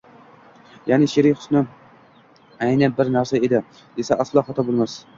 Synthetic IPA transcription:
janɪʃeɾɪjχʊ̥snɪ | ajnabɪɾnæɾsaed̪ɪ | d̪esaʔaslˠɑχɒt̪ʰɒbolˠmas

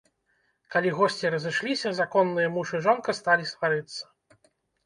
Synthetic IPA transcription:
kalʲiɣɔsʲt͡sʲiɾɐzɨʂlʲisʲɐzakɔnːɨjɐmuʂɨʐɔnkɐst̪alʲist̪vaɾɨt̪sːɐ̥

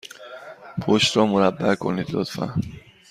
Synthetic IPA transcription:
pʰoʃt̪ɾɒːmoɾæbːækʰo̞̰niːd̪lo̰t̪fæ̰n

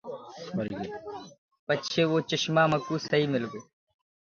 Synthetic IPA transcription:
bɐɾɡe | pət͡ʃʰeːʋoːt͡ʃəʃmaːməkuːsɐiːmɪlɡeː

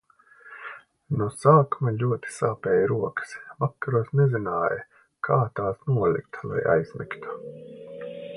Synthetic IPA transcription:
nusaːkumalʲuɔt̪i̥saːpɛːjɾuɔkə̥svakːaɾuɔsnɛzinaːjɐ | kʰaːt̪aːsnuɔlʲˠḭkt̪lˠa̰ja̰jz̥mḭkt̪u̥

